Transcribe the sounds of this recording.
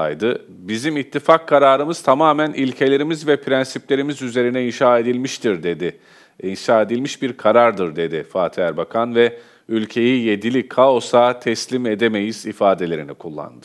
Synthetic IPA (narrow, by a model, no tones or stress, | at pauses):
ajd̪ɯ | bizimit̪ʰːifakʰːaɾaːɾɯmɯz̥t̪ʰamaːmænilʲcʰe̞lʲe̞ɾimizvɛpʰɾænsiplʲe̞ɾimizyze̞ɾinɛinʃaːe̞d̪ilʲmiʃt̪ʰiɾd̪ed̪ɪ | inʃaːe̞d̪ilʲmiʃbiɾkʰaɾaɾd̪ɯɾd̪e̞d̪ifaːt̪ʰiæɾbakʰanvɛ | ylʲcʰe̞jije̞d̪ilʲikʰao̞saːt̪ʰɛslʲime̞d̪e̞me̞jiz̥ifaːd̪e̞lʲe̞ɾinikʰulˠːa̰nd̪ɯ